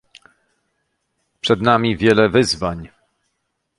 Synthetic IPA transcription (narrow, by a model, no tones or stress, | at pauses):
pʂɛd̪namʲivʲjɛlɛvɘzvaɲ